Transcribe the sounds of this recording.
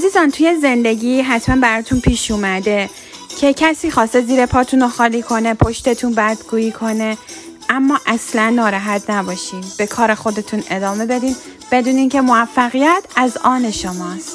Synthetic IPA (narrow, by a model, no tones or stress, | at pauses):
ʔæziːzɒnt̪ʰujeze̞nd̪e̞ɟiːɦæt̪ʰmænbæɾɒːt̪ʰunpʰiːʃumæd̪e̞ | cʰe̞cʰæsiːxɒːst̪e̞ziːɾe̞pʰɒːt̪ʰunoxɒːliːkʰo̞ne̞pʰoʃt̪e̞t̪ʰunbæɾd̪ɡuːjiːkʰo̞ne̞ʔæmːɒːʔæslænːɒːɾæɦæt̪ʰnæbɒːʃiːmb̥e̞kʰɒːɾe̞xo̞d̪e̞t̪ʰune̞d̪ɒːme̞be̞d̪iːm | b̥e̞d̪uːnincʰe̞moæfːæɣijæt̪ʰæzɒːne̞ʃomɒːst̪